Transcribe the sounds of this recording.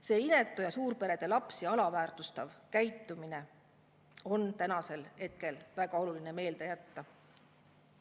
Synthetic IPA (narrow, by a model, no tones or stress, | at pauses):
se̞ːine̞t̪ːˑujɑsuːɾpe̞ɾe̞d̪̥e̞lɑpsjɑɑlɑvæːrt̪ust̪ɑvkæjt̪ːˑumine̞ | o̞nt̪ænɑse̞lhe̞t̪̚ke̞lvæɡ̥ɑo̞luline̞me̞ːld̪ejæt̪ːɑ